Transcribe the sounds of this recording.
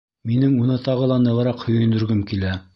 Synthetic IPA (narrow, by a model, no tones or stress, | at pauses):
minɘŋunɤt̪ɑʁɤ̆lˠɑnɤ̆ʁɤ̆ɾɑqhɵ̆jɵ̆nd̪ɵ̆ɾɡɘmkilæ